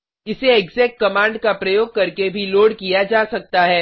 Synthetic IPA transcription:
ɪseeɡzɛːk̚ʈ̚kɐmãːɳɖkapɾɐjoːɡ̚kɐɾkebʱiloːɽkijad͡ʒaːsɐk̚t̪aɦɛː

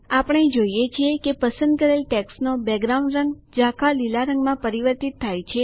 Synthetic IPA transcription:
apəɳ̃ed͡ʒoijet͡ʃʰiekepəsə̃nd̪̚kəɾelʈɛksnobɛɡɾaũɳɖɾə̃ŋɡd͡ʒakʰalilaɾəŋɡmãpəɾiʋəɾt̪it̪ʰːajt͡ʃʰe

